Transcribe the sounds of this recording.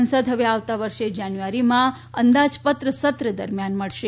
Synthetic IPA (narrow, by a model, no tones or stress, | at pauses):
ənsəd̪ɦəʋeaʋt̪aʋəɾʃed͡ʒanjuʋaɾimã | ənd̪ad͡ʒpət̪ɾəsət̪ɾəd̪əɾmjanməɭʃe